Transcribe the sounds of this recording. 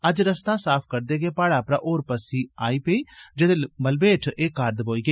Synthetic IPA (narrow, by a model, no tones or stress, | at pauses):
əd͡ʒɾəst̪aːsaːpʰkəɾd̪eːɡeːpaːɽaːpɾa̰ːʔoːɾpəsiːaːiːpeiːd͡ʒɪd̪eːməlbeːʈʰeːkaɾd̪boːiːɡəː